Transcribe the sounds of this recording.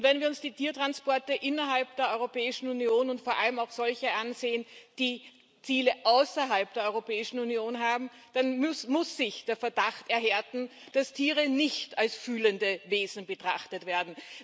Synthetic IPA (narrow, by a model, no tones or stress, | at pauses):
ʊntvɛnviːɐʊnsd̥iːtiːɐtʁ̥anspɔɐtəʔɪnɐɦalp̚d̥eːɐʔɔʏʁopɛːɪʃn̩unjoːnʊntfoːɐʔaləmaʊxz̥ɔlçəʔanzeːənd̥iː | t͡siːləʔaʊsɐɦalp̚d̥eːɐɔʏʁopɛːɪʃn̩unjoːnɦaːbm̩ | d̥anmʊsːɪçd̥eːɐfɛɐdaχtɛɐɦɛɐtn̩d̥astʰiːʁənɪçtalsfyːləndəveːzn̩bətʁ̥a̰χtətv̥eːɐdn̩